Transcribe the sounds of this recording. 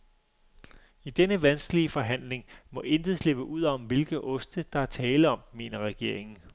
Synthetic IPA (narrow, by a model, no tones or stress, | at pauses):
id̥enəʋænsɡ̥əliəfɒ̽ɦæn̰le̝ŋmɒ̽ʔe̝nd̥ð̩ˠsle̝b̥əʔuð̰ˠɒ̽mʋe̝lɡ̥ð̩ˠɔ̽sd̥əd̥ɑ̈æɐt͡sʰɛːləɒ̽mːe̝̰ːnɐʁɛɡ̥e̝ɐ̰e̝ŋn̩